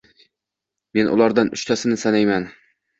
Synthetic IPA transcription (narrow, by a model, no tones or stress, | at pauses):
me̞nʔʊ̰laɾd̪anʊ̰ʃt̪ʰasɪnɪsanajman